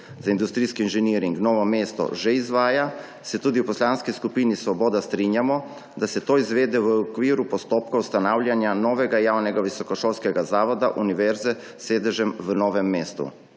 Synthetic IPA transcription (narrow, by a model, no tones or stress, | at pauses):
zaind̪ust̪ɾiːskiːnʒɛniɾiŋɡnɔːʋɔmeːst̪ɔ̰ʒɛizʋaːja | sɛt̪uːd̪iwpɔslanskiskupiːnisʋɔbɔːd̪ast̪ɾinjamɔ | d̪asɛt̪oːizʋeːd̪ɛʋəɔkʋiːɾupɔst̪oːpkawst̪anaːwlʲjanjanɔːʋɛɡajaːwnɛɡaʋisɔkɔʃoːlskɛɡazaːʋɔd̪aʔuniʋɛɾzɛ | seːd̪ɛʒɛmʋənɔːʋɛmːeːst̪ṵ